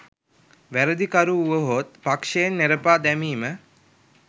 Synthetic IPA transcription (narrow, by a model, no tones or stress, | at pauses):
ʋæɾəd̪ikaɾuːʋəɦot̪̚pakʂejenːeɾəpaːd̪æmiːmə